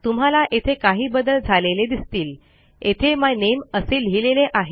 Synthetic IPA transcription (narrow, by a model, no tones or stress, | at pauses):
t̪um̤alaʔet̪ʰekaɦiːbəd̪əld͡zʱaleled̪ist̪iːl | et̪ʰeməjneməselɦileleʔaɦe